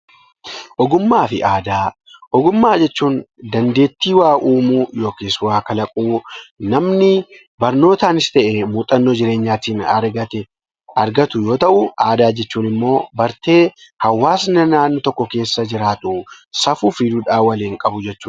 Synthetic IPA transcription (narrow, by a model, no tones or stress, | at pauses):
ʔɔɡʊmːaːfɪʔaːd̪aː | ʔɔɡʊmːaːd͡ʒɛt͡ʃːuːnd̪ɐnd̪e̞ːt̪ːiːwaːʔuːmuːjo̞ːkeːswaːkɐlɐkʼuːnɐmnɪ | bɐɾno̞ːt̪aːnɪst̪ɛʔemuːt̪ʼɐnːoːd͡ʒɪɾe̞ːɲːaːt̪iːnɐɾɡɐt̪ɛ | ɐɾɡɐt̪ʊjo̞ːt̪ɐʔʊaːd̪aːd͡ʒɛt͡ʃːuːnɪmːo̞ːbɐɾt̪e̞ːhɐwːaːsnɐnaːnːɔt̪ɔkːɔke̞ːsːɐd͡ʒɪɾaːt̪ʊsɐfufɪd̪uᶑaːwɐleːŋkʼɐbʊd͡ʒɛt͡ʃːuːn